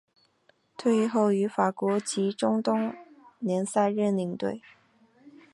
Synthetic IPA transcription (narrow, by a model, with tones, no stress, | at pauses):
t̪ʰwe˥˧ɪi˥˧xo˥˩ʊy˧˥fa˨˩kwɔ˧˥t͡ɕi˧˥ʈ͡ʂʊ˥ŋt̪ʊ˥ŋnjɛ˧˥nsa˥˧ɪɻə˥˧nli˧˥˩ŋt̪wḛ˥˩ɪ